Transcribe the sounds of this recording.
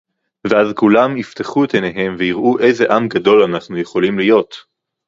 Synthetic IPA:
veazkulamift̪eχuet̪eneɦe̞mveiʁʔuʔe̞jze̞ʔamɡado̞lanaχnuje̞χo̞limlijo̞t̪

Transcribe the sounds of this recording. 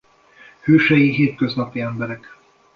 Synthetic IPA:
høːʃɛjiɦeːt̪kø̞znɒpiɛmbɛɾɛk

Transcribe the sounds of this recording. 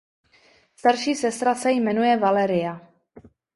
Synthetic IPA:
st̪aɾʃiːsɛst̪ɾasɛjmɛnujɛvalɛɾɪja

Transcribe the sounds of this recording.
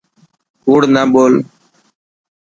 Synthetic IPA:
huːɽnaːɓoːl

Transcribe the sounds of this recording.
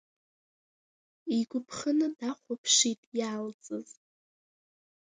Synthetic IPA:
iɡʷʊpʰχənɨdaχʷapʰʂitʼjaːlt͡sʼɨz

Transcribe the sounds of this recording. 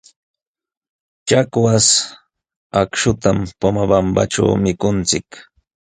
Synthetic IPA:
t͡ʃakwas | akʃʊt̪ampamabamba̰ʈ͡ʂa̰wmɪkʊnt͡sɪk

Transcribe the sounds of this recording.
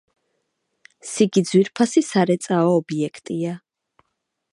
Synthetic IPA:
siɡid̪zwiɾpʰasisaɾɛt̪sʼaɔːbiɛkʰt̪ʼia

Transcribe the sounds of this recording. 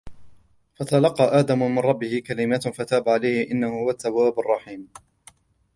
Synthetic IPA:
fat̪alɑqːɑʔaːd̪amʊmɪnˤɑbːɪhɪkalɪmaːt̪fat̪aːbaʕalajhɪʔɪnːahʊhʊwat̪ːawːaːbarˤːɑħiːm

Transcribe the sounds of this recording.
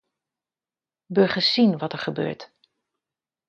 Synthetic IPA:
bøɹχəsinʋɔtəɹχəbø̰ːɹt

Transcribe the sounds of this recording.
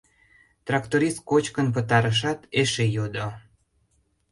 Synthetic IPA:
t̪rɑkt̪oɾist̪̚kot͡ɕkənp̬ə̆t̪ɑɾəʃ̬ɑt̪eʃejod̪o

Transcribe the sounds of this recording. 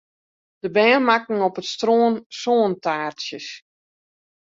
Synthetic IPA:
d̥əbɛːnmakŋ̩ɔpətstroːnsoːntaːrsjəs

